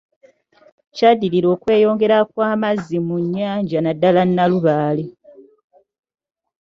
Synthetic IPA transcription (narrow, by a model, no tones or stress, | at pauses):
cadiliɾo̞ːkwe̞ːjo̞ːŋɡe̞ɾakwaːmazːimuɲːaːɲɟanadːalanːaluβaːli